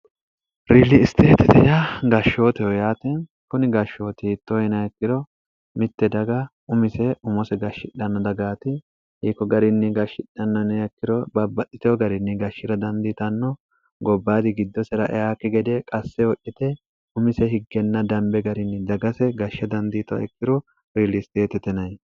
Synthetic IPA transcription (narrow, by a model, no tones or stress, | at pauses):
ɾiːlːɪːst̪eːt̪ɪt̪ɛjaɡɐʃːo̞ːt̪ɛjɔjaːt̪in | kʊnɪɡɐʃːo̞ːt̪it̪ːojɛnɐjɛkːɪdɔ | mɪt̪ːɛd̪ɐɡɐ | ʊmɪsɛʊmɔsɛɡɐʃɪᶑɐnːɔd̪ɐɡaːt̪ɪ | hiːkːɔɡɐɾɪnːɪɡɐʃɪᶑɐnːɐnɛjɛkːɪɾɔbɐbːɐt̪ʼːɪt̪ɛɔɡɐɾɪnːɪɡɐʃːɪɾɐd̪ɐnd̪iːt̪ɐnːɔ | ɡɔbːaːd̪ɪɡɪd̪ːɔsɛɾɐʔɛ̰aːkːɪɡɛd̪ɛkʼɐsːɛwɔʔɪt̪ɛ | ʊmɪsɛhɪɡːɛnːɐd̪ɐmbɛɡɐɾɪnːɪd̪ɐɡɐsɛɡɐʃːɐd̪ɐnd̪iːt̪ɔɐ̰ɛkːɪɾɔ | wiːlɪst̪eːt̪ɛt̪ɛnɐj